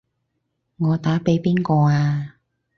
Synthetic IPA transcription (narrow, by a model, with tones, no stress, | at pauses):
ŋɔː˨˧t̪aː˨˥pe˨˥jpiː˥nkɔː˧aː˧